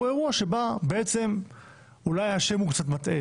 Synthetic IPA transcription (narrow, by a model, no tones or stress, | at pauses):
e̞ʁuaʃe̞babe̞et͡se̞m | ulajhaʃe̞mukt͡sat̪mat̪ʔe